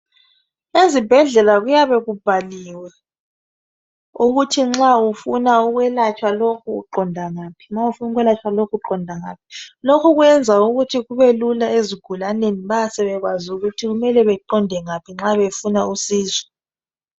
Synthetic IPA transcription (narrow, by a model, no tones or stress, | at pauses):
ezib̥ʱɛɮɛlaɣujaβɛɣub̥ʱaliwɛ | uɣutʰiŋ͡ǁaufunauɣwɛlat͡ʃʼwalokʰuṵǃɔndʱaŋaːpʰi̥ŋ͡ǁaufunuɣwɛlat͡ʃʰʼwalokʰuǃɔndʱaŋaːp̚i̥lokʰuɣwɛnd͡zʱauɣutʰiɣuβelulaeziɡ̥ʱulaneniβaasɛβɛɣwazuɣutʰiɣumɛlɛβɛǃɔndʱɛŋapʰiŋ͡ǁaβefunausiːzɔ̥